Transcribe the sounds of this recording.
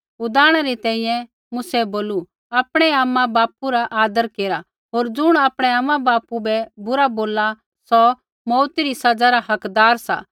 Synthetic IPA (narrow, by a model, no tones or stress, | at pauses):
ʊd̪aːɽ̃aɾit̪ɛ̃ːĩjɛ̃ | mʊsɛboːlu | aːpɽ̃ɛaːmːãbaːpuɾaʔaːd̪əɾkeːɾa | ɦoːɾd͡zʊɽ̃aːpɽ̃ɛaːmːãbaːpubɛbʊɾaboːla | sɔ | mɔːt̪iɾisɐd͡zaɾaɦɐkd̪aːɾsa̰